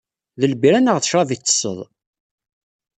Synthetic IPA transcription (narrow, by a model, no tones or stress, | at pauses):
ðəlbiɾænəʁθə̥ʃɾˤɑvit͡sːə̥sːə̰ðˤ